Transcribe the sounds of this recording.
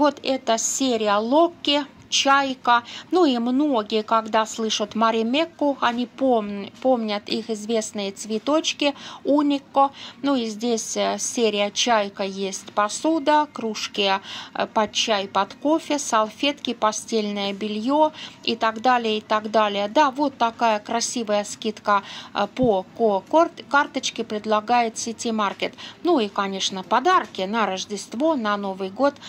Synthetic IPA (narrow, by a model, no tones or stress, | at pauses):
vo̞t̪ɛt̪əsʲeɾʲɪjəlˠokʲːɪ | t͡ɕæjkənuimnoɡʲɪjəkaɡd̪aslˠɨʂət̪məɾʲɪmʲekːʊɐnʲipopomnʲət̪ixɪzvʲe̞snɨjət̪svʲɪt̪ot͡ɕkʲɪunʲɪkːonuizʲdʲesʲsʲeɾʲɪjət͡ɕæjkəjesʲtʲpɐsud̪əkɾuʂkʲɪjəpɐt̪̚t͡ɕæjpɐt̪ko̞fʲɪsɐlˠfʲet̪kʲɪpɐsʲtʲelʲnəjəbʲɪlʲjoɪt̪ɐɡd̪alʲɪjəɪt̪aɡd̪alʲɪjəd̪avo̞t̪ːɐkajəkɾɐsʲivəjəskʲit̪kəpokokkart̪ət͡ɕkʲɪpɾʲɪd̪lˠɐɡajɪt̪sʲɪtʲɪmarkʲɪt̪nuikɐnʲe̞ʂnəpɐd̪arkʲɪnəɾəʐdʲɪst̪vo̞nɐno̞vɨjɡo̞t̪